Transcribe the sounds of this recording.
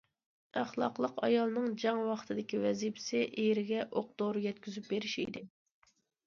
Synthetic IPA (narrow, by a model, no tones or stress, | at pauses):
æχlˠɑ̰qlˠəqɑ̰jɑlˠnɨŋd͡ʒɑŋwɑχt̪ʰɨd̪ɪkʲiwɛzipʰɪ̥sɪʔejɾɪɡʲɛʔoq̚d̪̥oɾɨɡʲɛt̪kʲʰyzyp̚beɾɪʃḭd̪ɪ